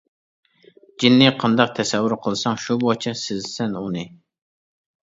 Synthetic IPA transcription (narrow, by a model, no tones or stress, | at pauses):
d͡ʒinːɪqʰɑnd̪ɑq̚t̪ʰɛsɛwːuɾqʰəlˠɨsɑŋʃubot͡ʃʰɛsɪzsɛnunɨ